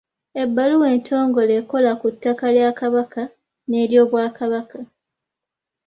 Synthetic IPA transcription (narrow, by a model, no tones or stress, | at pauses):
e̞bːaluwe̞ːntʰo̞ːŋɡo̞le̞ːko̞lakutːakaljakaβaka | ne̞ːɾjo̞ːβwaːkaβaka